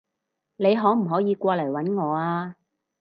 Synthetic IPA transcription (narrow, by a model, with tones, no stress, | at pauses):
ne˨˧jɦɔː˨˥m̩˨˩ɦɔː˨˥jiː˨˧kʷɔː˧lɐ˨˩jwɐ˨˥nŋɔː˨˧aː˧